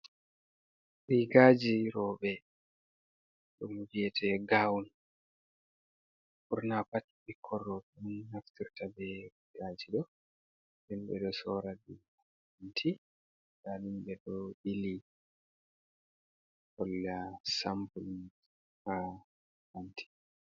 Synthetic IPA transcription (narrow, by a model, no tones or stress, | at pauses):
ɾiɡaːd͡ʒiɾɔːɓɛ | ɗumɡɛtʰɛɡawn | ʔuɾnapatːibikʰɔrːɔɗunːaftiɾtabɛɾiɡaːd͡ʒiɗɔ | limbɛ̰ɗɔsɔːɾadi | antʰi | dalimbɛɗɔʔili | hɔlːasambulin | ha | hantʰi̥